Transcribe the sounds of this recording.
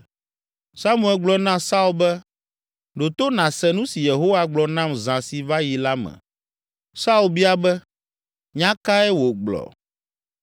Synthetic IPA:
sa˦mũ˦ɛ˨lɡ͡blɔ˨nã˦sa˦u˨lbɛ˦ | ɖo˨t̪o˦nã˨sɛ˨nũ˦si˨je˨ɦo˦wa˦ɡ͡blɔ˨nã˦mzã˨si˨va˦ji˨la˦mɛ̰̃˨ | sa˦u˨lbi˦a˦bɛ˦ | ɲã˦ka˦ɛ˦wo˨ɡ͡blɔ̰˨

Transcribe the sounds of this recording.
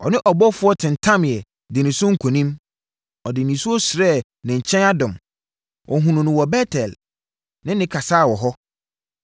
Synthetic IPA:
ɔ̰˨nɪ̃˦ʔɔ˨bɔ˦fʊ˨˦ɔ˦tʰɪ̃˨ntʰã˦m˨ɛ˨ | dɪ˨nɪ̃˨sʊ̃˦ŋ̩˦˨kʷʰõ˨nĩ˦m | ɔ˨dɪ˨nĩ˨su˦ɔ˦sɾɛ˦˨ | nɪ̃˨ɲ̩˨t͡ɕʰɛ̃˦na˦dʊ̃˨m | ʔɔ˨ɦũ˨nʊ̃˨nʊ̃˨wɔ˨bɛ˦tʰɛ˨l | nɪ̃˦nɪ̃˦kʰa˨saː˦˨wɔ˨ɦɔ˦

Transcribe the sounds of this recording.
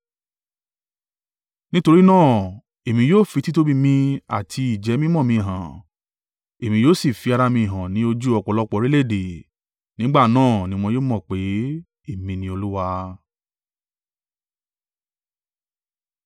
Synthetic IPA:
nĩ˦to˧ɾi˦nãː˦˨ | e˨mĩ˧joː˦˨fi˧ti˦to˦bi˦mĩ˧a̰˨tʰi˧i˨d͡ʒɛ˨˦mĩ˦mɔ̃˦˨mĩ˧i˨ɦã˨ | e˨mĩ˧joː˦˨si˦˨fi˨˧a˧ɾa˧mĩ˧i˨ɦã˨nĩ˨˦o˧d͡ʒu˦ɔ˧k͡pɔ˨˧lɔ˦k͡pɔ˧˨˧ɾi˦le˦˨de˨ | nĩ˨˦ɡ͡ba˦˨nãː˦˨nĩ˦w̃ɔ̃˧joː˦mɔ̃˦˨k͡pe˨˦ | e˦˨mĩ˧nĩ˦o˧lu˦wa˧

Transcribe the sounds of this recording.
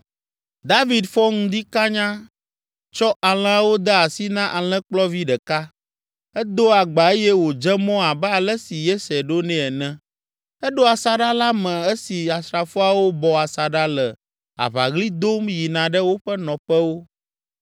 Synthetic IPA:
d̪a˦vi˨d̪fɔ˦ŋũ˦d̪i˦ka˦ɲã˦ | t͡ʃɔ˦ʔa˨l̃ɛ̃˦a˦wo˦d̪ɛ˦a˨si˦nã˦ʔa˨l̃ɛ̃˦k͡plɔ˦vi˦ɖɛ˨ka˦ | ɛ˦d̪o˦a˨ɡ͡ba˨e˦jɛ˦wo˨d͡ʒɛ˦mɔ̃˦a˨bɛ˦a˨lɛ˦si˨jɛ˦sɛ˨ɖo˦nẽ˦ɛ˨nɛ̃˦ | ɛ˦ɖo˦a˨sa˨ɖa˦la˦mɛ̃˨ɛ˦si˨a˨sɾa˨fo˦a˨wo˦bɔ˨a˨sa˨ɖa˦lɛ˨ | a̰˨βa˨ɣli˦d̪o˦mji˨nã˨ɖɛ˦wo˦ɸɛ˦nɔ̃˨ɸɛ˦wo˦

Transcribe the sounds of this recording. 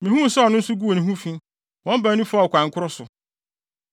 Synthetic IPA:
mĩ˨hũ˦˨sɛ˦ɔ˨nʊ̃˦n̩˦sʊ˦ɡu˦o˨nĩ˨ɦũ˦fĩ˦ | wɔ̃˦m˦ba˨˦nĩ˦fa˦˨kʷʰã˨ŋ̩˨kʰʊ˦ɾɔ˦sʊ˨

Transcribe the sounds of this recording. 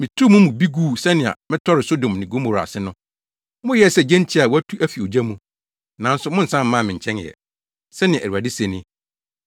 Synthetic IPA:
mɪ̃˨tʰu˦mũ˦mũ˨bi˦ɡuː˦˨sɛ˦nɪ̃˨a̰˨mɪ̃˦tʰɔ˦ɾɪ˨so˦dõ˨m˨nɪ̃˨ɡõ˦mo˨ɾa̰˨sɪ˦nʊ̃˦ | mʊ̃˦jɛ˦˨sɛ˦˨d͡ʑɛ̃˦n˦t͡ɕʰi˦a˨wæ˦tʰu˦ʔæ˦fi˨o˨d͡ʑa˦mũ˦ | nã˨˦n̩˦sʊ˨˦mʊ̃˦n̩˨sã˦m̩˦mã˦˨mɪ̃˨ɲ̩˨t͡ɕʰɛ̃˦n˨ɛ̰˨ | sɛ˦nɪ̰̃˨ɾu˨a˨dɪ˦sẽ˦nɪ̃˦

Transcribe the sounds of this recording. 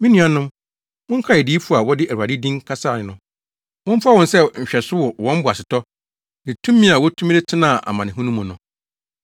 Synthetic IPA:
mĩ˦nĩ˦ã˨nʊ̃˦m | wʊ̃˦ŋ̩˦kʰa˦ɛ˨diː˦fu˦˨a˨wɔ˦dɪ˦ʔæ˨u˨a˨dɪ˦dĩ˦ŋkʰa˦saː˦˨nɪ̃˨nʊ̃˦ | wʊ̃˦m̩˦fa˦wɔ̃˨nsɛ˦ɲ̩˨ɕᶣɛ˨sʊ˦wɔ˨wɔ̃˦m˦bʊ˨a˨sɪ˨tʰɔ˦ | nɪ̃˨tʰũ˦mːĩ˦a˨wɔ˦tʰũ˦m˦de˦tʰɪ˦nã˦˨ʔa̰˨mã˨nɪ̃˨ɦũ˦nũ˦mːũ˨nʊ̃˨

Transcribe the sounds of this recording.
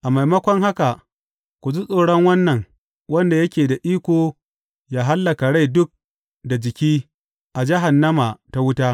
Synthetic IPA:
ʔa˨ma˨jmɐ˦kʷɔ˦ŋɦa˦ka˨ | kʷu˨zu˦sʼoː˨ɽɔ˦ŋwɐ˦nːɐ˨ŋ | wɐ˦nda˨jɐ˦kʲeː˨da˨ʔiː˦kʷoː˨ | jaː˦ɦa˦lːɐ˨ka˨ɽa˦jdʊ˦k̚ | da˨d͡ʒɪ˨kʲiː˦ | ʔa˨d͡ʒɪ˦ɦa˨nːɐ˦ma˨ta˦wʊ˦taː˦

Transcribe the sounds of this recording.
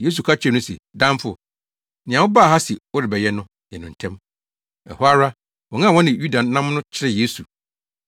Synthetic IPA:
jeː˦s̬u˨kʰa˦˨t͡ɕʰᶣɪ˦˨nʊ̃˦sḛ˨dã˦m˦fʊ˨ | nɪ̃˨ã˨wʊ˦ba˦˨a˦si˨ʊ˦ɾɪ˨bɛ˨jɛ˦nʊ̃˦ | jɛ˨nʊ̃˨n̩˨tʰɛ̃˦m | ɛ̰˨hʊ˦a˦ɾa˦ | wɔ̃˨ŋã˦˨wɔ̃˦nɪ̃˨ju˦da˨nːã˦mnʊ̃˦t͡ɕʰɪ˦ɾɪ˨jeː˦su˨

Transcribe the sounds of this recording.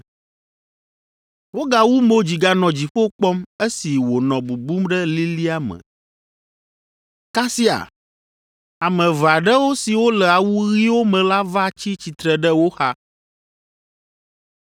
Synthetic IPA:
wo˦ɡa˨wu˦mo˦d͡ʑi˨ɡa˦nɔ̃˨d͡ʑi˨ɸo˦k͡pɔ˦me˦si˨wo˨nɔ̃˨bu˨bu˦mɖɛ˦li˦li˦a˦mɛ̰˨ | ka˦si˦a̰˨ | a˨mɛ̃˨va˨ɖɛ˦wo˦si˨wo˦lɛ˨a˨wu˦ɣi˦wo˦mɛ̃˨la˦va˦t͡ɕi˦t͡ɕi˨t̪ɾɛ˨ɖɛ˦wo˦xa˦

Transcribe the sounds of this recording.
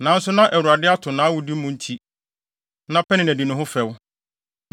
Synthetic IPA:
nã˨n̩˦sʊ˦nã˦ʔæ˨wu˨a˨dɪ˦a˦tʰʊ˨nã˨˦wʊ˨di˦mʊ̃˨n̩˦tʰi˦ | nã˦pʰɛ˦nɪ̃˨næ˨di˨nʊ̃˦ɦʊ̃˦fɛ˨w

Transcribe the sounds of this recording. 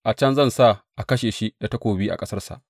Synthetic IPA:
ʔa˨t͡ʃɐ˦nzɐ˦nsa˦˨ʔa˨kɐ˦ʃeː˨ʃi˦da˨ta˦kʷoː˨biː˦ʔa̰˨kʼɐ˦sɐ˦rsa̰˨ʔ

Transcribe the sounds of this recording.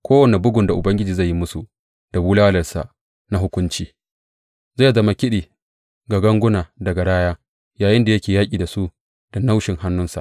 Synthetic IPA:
kʷoː˦wɐ˨ne˨bʊ˦ɡʊ˨nda˨ʔʊ˨bɐ˦ŋɡʲɪ˦d͡ʒiː˨za˦˨jːi˦mʊ˦su˨ | d̥a˨buː˦laː˦lɐ˨rsa̰˨ | na˦ɦʊ˦kʷʊ˦nt͡ʃiː˦ | za˦˨zɐ˦ma˦kʲɪ˦ɗiː˨ | ɡa˨ɡɐ˦ŋɡʷʊ˦naː˨dɐ˨ɡa˨ɽaː˦jaː˦ | jaː˨jɪ˦nda˨jɐ˦kʲeː˨jaː˦kʲʼiː˨da˨su˦ | d̥a˨na˦wʃɪ˨ŋha˦nːʊ˦nsa̰˨ʔ

